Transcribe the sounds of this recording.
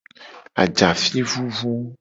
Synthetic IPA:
a̰˨d͡ʒa˨fi˦vu˦vu˦

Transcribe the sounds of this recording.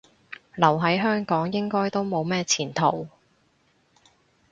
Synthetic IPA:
lɐ˨˩wɦɐ˨˥jɦœː˥ŋkɔː˨˥ŋjɪ˥ŋkɔː˥jt̪o˥wmo˨˧wmɛː˥t͡sʰiː˨˩nt̪ʰo˨˩w

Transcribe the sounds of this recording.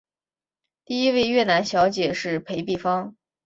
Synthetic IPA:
t̪i˥˩i˥we˥˧ɪɥɛ˥˩na˧˥nɕjɑ˧˥ʊt͡ɕjɛ˨˩ʂɻ̩˥˩pʰe˧˥ɪpi˥˩fɑ˥ŋ

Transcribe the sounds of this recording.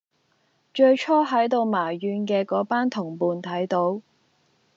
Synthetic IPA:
t͡ʃɵ˧ɥt͡ʃʰɔː˥ɦɐ˨˥jt̪o˧wmaː˨˩jjyː˧nkɛː˧kɔː˨˥paː˥nt̪ʰʊ˨˩ŋpuː˨˧nt̪ʰɐ˨˥jt̪o˨˥w

